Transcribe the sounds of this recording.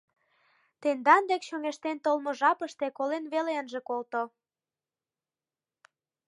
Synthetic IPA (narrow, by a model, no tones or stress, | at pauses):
t̪end̪ɑnd̪ekɕøŋeʃt̪ent̪olmoʒɑpəʃt̪ekolenβeleənʒekolt̪o